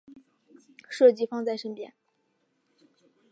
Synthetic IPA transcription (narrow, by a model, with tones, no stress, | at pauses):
ʂɤ˥˩t͡ɕi˥˧fɑ˥˧ŋt͡sa˥˩ɪʂə˥npjɛ̰˥n